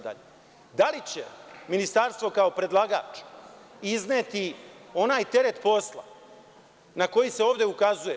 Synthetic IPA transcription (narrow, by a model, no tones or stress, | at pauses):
d̪a̰ʎe | d̪alit͡ɕe̞minist̪aɾst̪ʋo̞kao̞pɾe̞d̪lˠaɡa̰ːt͡ʂ | izneːt̪io̞naːjt̪e̞ɾe̞t̪po̞slˠa̰ | nako̞jise̞o̞ːʋd̪e̞ukazuje